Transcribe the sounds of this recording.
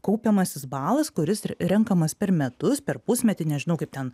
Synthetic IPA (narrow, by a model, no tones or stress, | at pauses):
kɐʊpʲɛmɐsʲɪsbɑːlˠɐskʊɾʲɪsɾʲɛŋkɐmɐspʲɛɾmʲɛt̪ʊspʲɛɾpʊsʲmʲɛt̪ʲɪnʲɛʒʲɪnɐʊkɐɪp̚t̪ʲɛn